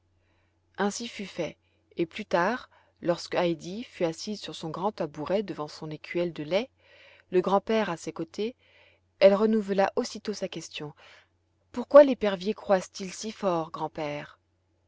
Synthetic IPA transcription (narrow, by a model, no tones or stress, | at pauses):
ɛ̃sifyfɛ | eplyt̪aʁ | lɔʁskajd̪ifyasizsyʁsɔ̃ɡʁɑ̃t̪abuʁɛd̪əvɑ̃sɔ̃nekʰʲɥɛld̪əlɛ | ləɡʁɑ̃pɛʁasekot̪e | ɛlʁənuvəlaʔosit̪osakʲɛst̪jɔ̃ | puʁkwalepɛʁvjekχwazt̪ilsifɔʁɡʁɑ̃pɛːʁ